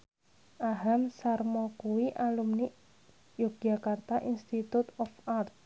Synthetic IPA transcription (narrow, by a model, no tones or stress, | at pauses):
ʔaɦamsarmɔkuwiʔalumniʔ | jokʒa̤kart̪aʔinst̪it̪ut̪ɔfart̪̚